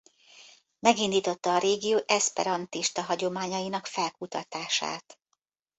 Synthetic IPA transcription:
mɛɡind̪iːt̪o̞t̪ːɒːɾeːɡijoːʔɛspɛ̰ɾɒnt̪iʃt̪ɒɦɒɟo̞maːɲɒjinɒkfɛlkut̪ɒt̪aːʃa̰ːt̪

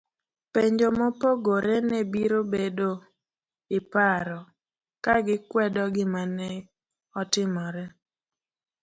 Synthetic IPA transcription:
peɲd͡ʒomopoɡoɾenebiɾobedo | ɪpaɾɔ | kaɡɪkwɛdɔɡɪmanɛ | ɔtɪmɔɾɛ

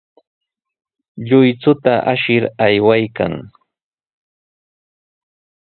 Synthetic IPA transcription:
ʎʊjt͡sʊt̪aʔaʃɪɾajwajka̰ŋ

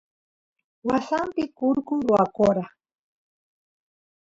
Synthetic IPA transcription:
wasampɪkʊɾkʊɾʊakoɾa

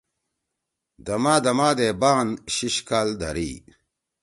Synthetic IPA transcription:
d̪ɐmaːd̪ɐmaːd̪eːbaːnɕiɕkaːld̪ɐ̰ɾḭː

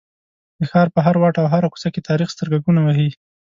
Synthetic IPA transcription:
d̪əxɑɾpəɦaɾwɑʈawɦaɾaku̥saket̪ʰɑɾixst̪əɾɡaɡunawaɦi

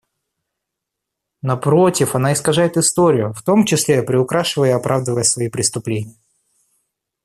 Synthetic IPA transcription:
nɐpɾo̞tʲɪfɐnaɪskɐʐajɪt̪ɨst̪o̞ɾʲɪjʊft̪o̞mt͡ɕɪsʲlʲepɾʲɪʊkɾaʂɨvəjəɐpɾʔavd̪əvəjəsvɐipɾʲɪst̪ʊplʲenʲɪjə

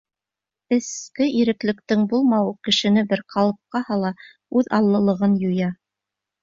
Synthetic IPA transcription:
ɘ̆skɘiɾɘ̆klɘ̆k̚t̪ɘŋbulˠmɑwɤkɘ̆ʃɘ̆nɘbɘɾqʰɑlˠɤ̆p̚qɑhɑlˠɑ | ʉðɑlˠːɤ̆lˠɤ̆ʁɤnjujɑ

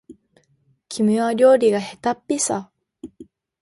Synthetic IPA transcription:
kʲʰimɯaɾʲo̞ːɾʲiɡahe̞t̪apʲːisa

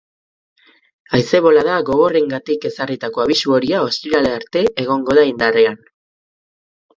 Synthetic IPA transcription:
ajse̞βo̞laðaɣo̞ɣ̞o̞re̞ŋɡat̪ike̞sarit̪ako̞aβisuo̞ɾiao̞st̪iɾale̞aɾt̪e̞ʔeɣ̞o̞ŋɡo̞ðaind̪arean

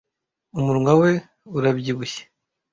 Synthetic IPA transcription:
umuɾuŋawe̞ | uɾabɟiβuçe̥

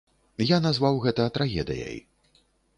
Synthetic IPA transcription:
janazvawɣɛt̪ɐt̪ɾʔaɣʲɛ̰d̪ɨ̰ja̰j

